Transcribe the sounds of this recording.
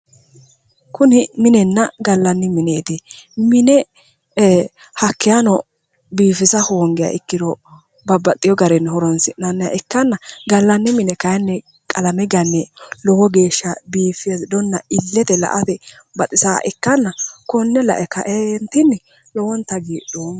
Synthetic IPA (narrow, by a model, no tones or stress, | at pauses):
kʊnɪmɪnɛnːɐɡɐlːɐnːɪmɪneːt̪ɪmɪnɛ | hɐkːɪjanɔ | biːfɪsɐhoːŋɡɪja̰ʔɪkːɪd̪ɔ | bɐbɐt̪ʼːɪjɔɡɐɾɛnːhɔɾɔnsɪnɐnːɐja̰ʔɪkːɐnːɐɡɐlːɐnːɪmɪnɛkɐjnːɛ | kʼɐlɐmɛɡɐnːɛlɔwɔɡeːʃːɐbiːfɪjesd̪ɔnːɐɪlːɛt̪ɛlɐ̰ʔɐt̪ɛ | bɐt̪ʼɪsa̰ːʔɪkːɐnːɐkɔnːɛlɐ̰ʔɛkɐ̰ʔent̪ɪnːɪ | lɔwɔnt̪ːɐɡiːdo